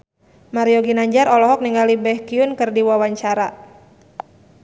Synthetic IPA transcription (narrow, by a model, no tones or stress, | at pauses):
maɾiɔɡinaɲd͡ʒaɾɔlɔɦɔk̚niŋɡalibɛhkiunkɨrdiwawaɲt͡ʃaɾa